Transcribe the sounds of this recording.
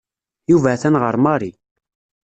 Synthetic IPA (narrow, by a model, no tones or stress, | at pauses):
juvæθænʁəɾˤmɑɾˤi